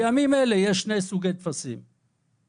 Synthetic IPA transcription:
amimelejeʃːnejsuɡejt̪fasḭm

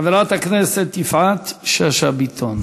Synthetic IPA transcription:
avelat̪aknɛset̪ːifʕat̪ʃeaʃabit̪ʰon

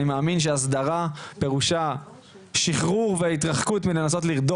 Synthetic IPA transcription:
nimaaːminʃ̬eas̬d̪aʁape̞ʁuʃa | ʃiχʁuʁveit̪ʁaχkutmilenaso̞tliʁd̪o

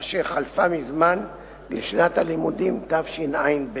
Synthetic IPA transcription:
ʃeχalfamizman | liʃnat̪halimud̪imt̪avʃinʔajnb

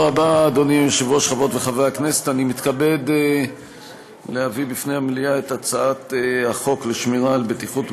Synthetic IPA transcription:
abaːd̪o̞niʃevoʃχavo̞t̪veχavejaknesetanimit̪kabe̞d̪ | lehavibifne̞jamliaetat͡saat̪eaχo̞kleʃmiʁalbet̪iχut

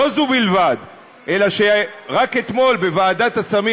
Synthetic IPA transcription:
ozubilvad̪ | ʔe̞laʃeʁake̞t̪mo̞lbe̞vaːd̪at̪asami

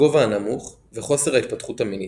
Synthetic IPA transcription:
o̞vaːnamuχ | veχo̞se̞ʁait̚patχuthamini

